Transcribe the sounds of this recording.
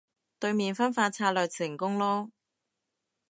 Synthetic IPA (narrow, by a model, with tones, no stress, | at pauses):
t̪ɵ˧ɥmiː˨nfɐ˥nfaː˧t͡sʰaː˧t̚lœː˨ksɪ˨˩ŋkʊ˥ŋlɔː˥